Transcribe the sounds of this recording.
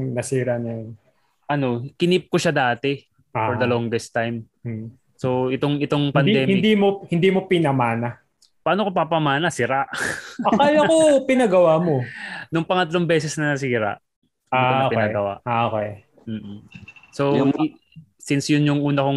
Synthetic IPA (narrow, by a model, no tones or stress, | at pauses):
nɐsiːɾɐnɐjon | ʔɐno̞kɪnip̚koʃad̪aːt̪ɛ | fɔɾd̪ɐlɔŋd̪ɛst̪ajm̩ | so̞ʔɪt̪oŋɪt̪o̞ŋpɐnɛːmɪnɪd̪imohɪnd̪iːmopɪnɐmaːna | paːnokopapɐmaːnɐsɪɾaʔɐkalɐkopɪnɐɡɐwamonʊŋpɐŋɐt̪lo̞ŋbɛːsɛsnɐnɐsiːɾɐ̰ʔ | anopɪnaɡɐwa̰ʔaʔokɛj | m̩ː | sow | sɪnsjʊnjʊŋʔuːnɐkoŋ